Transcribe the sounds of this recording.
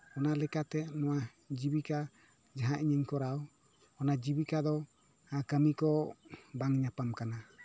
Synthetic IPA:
ɔnalɛkat̪ɛnɔwa | d͡ʒibika | d͡ʒaɦaʔiɲəɲkɔɾaɔ | ɔnad͡ʒibikad̪ɔ | akəmikɔbaŋɲapamkana

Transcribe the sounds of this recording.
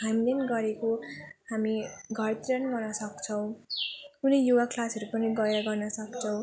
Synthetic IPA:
ɦajmlenɡʌɾekohamiɡʱʌrt̪iɾʌnɡʌnʌsʌkt͡sʰʌw̃kunʌjjuwakʰlasʌɾupʌniɡʌeɾʌɡʌrnʌsʌkt͡sʰʌ̃w̃

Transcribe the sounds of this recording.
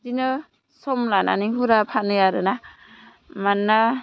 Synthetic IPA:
dinɯ | sɔmlana̰niɦuɾapʰanɯjaɾɯna | manːa

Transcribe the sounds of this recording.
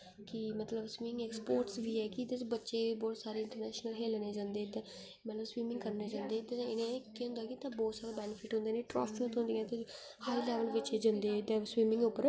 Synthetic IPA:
kɪmət̪ləbswiːmɪ̃ŋɡeːkspoːɾʈsʋiːɛːkɪd̪et͡ʃbətːʃeːbɔːt̪saːɾeːɪɳʈəɾnɛːʃnəlɦeːlnẽːd͡ʒãːnd̪eːd̪ẽ | mət̪ləbswiːmɪ̃ŋɡkəɾneːd͡ʒãːnd̪eːt̪ẽɪnẽkːʊ̃nd̪aːkɪt̪ãbɔːt̪saːɾeːbɛːnɪpʰɪʈɦʊ̃nd̪eːneʈɾɔ̰ːst̪ə̃t̪ɦʊ̃nd̪ĩːɛ̃ːt̪e | haːilɛːʋəlʋɪt͡ʃed͡ʒãnd̪eɪd̪ẽːswiːmɪ̃ŋɡʊpːəɾ

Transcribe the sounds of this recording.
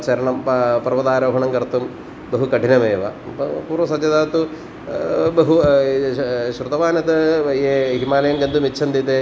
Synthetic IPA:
t͡ʃɐɾɐɳɐmpɐpɐɾʋɐd̪aːɾɐːɦɐɳɐŋɡɐɾt̪um | bɐɦukɐʈinɐmeːʋɐ̰puːɾʋɐsɐd͡ʒɐd̪aːt̪u | bɐɦu | ʃɾut̪ɐʋaːnɐt̪ɐeːɦimaːlɐjɐŋɡɐnd̪umit͡ʃːt͡ʃʰɐnd̪it̪e

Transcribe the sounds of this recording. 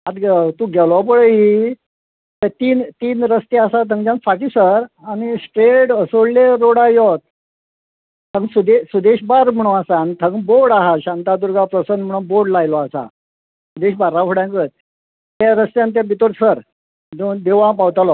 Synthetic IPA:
ad̪ɡt̪ũɡʱɛlɔp̬əɽəi | t̪at̪iːnt̪iːnɾəst̪easat̪̬ʰəŋɡd͡ʑãnfaʈiːsəɾaɽ̃isʈɾeɽəsoɽleɾoɽajɔt̪̚ | t̪ʰə̃ŋɡsud̪esud̪eɕbaɾm̤əɽ̃ũasaːnit̪ʰə̃ŋɡboɾɽaɦaɕãnt̪ad̪uɾɡʱapɾəsənm̤əɽ̃ũboɾɖlajlɔasa̰ | sud̪eɕbaɾːakʰoɽjãŋkət̪̚ | t̪jaɾəst̪jãnt̪jãbit̪oɾsəɾ | d̪od̪eʋãpawt̪alɔ

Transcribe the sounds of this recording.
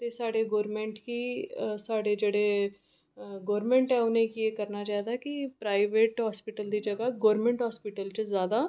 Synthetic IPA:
t̪eːsaːɽeːɡɔːɾmẽːɳʈkiːsaːɖeːd͡ʒeːɽeː | ɡɔːɾmẽːɳʈɛːʊnẽːkieːkəɾnaːt͡ʃaːɛd̪aːkɪpɾaːiʋeːʈɦaːspɪʈəld̪iːd͡ʒəɡaːɡɔːɾmẽɳʈɦaːspɪʈəlt͡ʃəzjaːd̪aː

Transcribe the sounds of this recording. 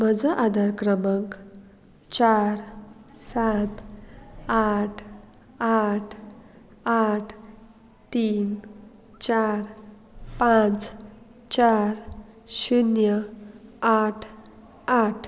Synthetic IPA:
məd͡zəʔad̪ʱaɾkɾəmək | t͡ɕaɾsat̪ | aʈʰ | aʈʰ | aʈʰ | t̪iːn | t͡ɕaɾ | pãt͡s | t͡ɕaɾ | ɕunjə | aʈʰ | aʈʰ

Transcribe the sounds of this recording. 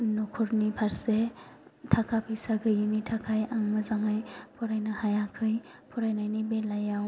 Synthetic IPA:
nɔkʰɔɾnipʰaɾsetʰakʰapʰɯjsaɡʰɯjɯnitʰakʰajaŋmɯzaŋajpʰɔɾajnɯhajakʰɯjpʰɔɾajnajnibelajaw

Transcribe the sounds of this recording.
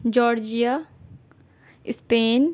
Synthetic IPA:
d͡ʒɔːɾd͡ʒija | ɪspeːn

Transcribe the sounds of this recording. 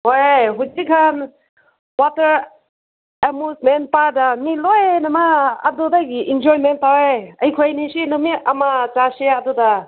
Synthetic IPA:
hojɦud͡ʒikʰan | watɐɾ | emusmen̚paɾdanilojnɐma̰ːdɔdaɡiʔind͡ʒɔɾimentaweɐjkʰojnisinɔmiʔɐmat͡ʃaseaduda

